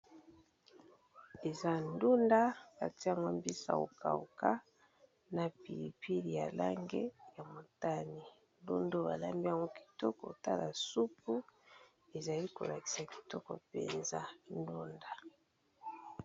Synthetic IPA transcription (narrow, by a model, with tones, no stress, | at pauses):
e˨za˦ndu˦nda˦ka˨ti˦a˨ŋɡo˦mbi˦sa̰˨o̰˨ka˨ṵ˨ka˦ | na˨pi˨li˨pi˦li˨ja˨la˦ŋɡe˦ja˨mo˨ta˦ni˨ | ndu˦ndo˦ba˨la˦mbi˦a˨ŋɡo˦ki̥˨tɔ˦kɔ̰˨ta˦la˨su˦pu˦ | e˨za˨li˦ko˨la˨ki̥˨sa˨ki̥˨tɔ˦kɔ˨pḛ˨nza˦n˦du˦nda˨